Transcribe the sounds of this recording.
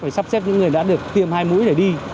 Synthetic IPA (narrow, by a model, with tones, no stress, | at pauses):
faː˧˩jsa˦˥psɛ˦˥p̚ɲɨ̰˧˥ŋːɨ˨˩əjɗa̰ː˧˥ɗɨ˨˩ək̚t̪ʰi˧əmhaː˧jmṵ˧˥jɗe˧˩ɗi˧